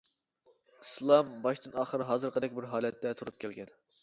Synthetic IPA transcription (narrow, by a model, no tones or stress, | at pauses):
islˠɑmbɑʃt̪ɨnɑːχəɾɨɦɑːzɨɾqʰəd̪ɛkʲbɪɾɦɑːlɛt̪ʰːɛt̪ʰuɾup̚kʲʰɛlɡʲɛn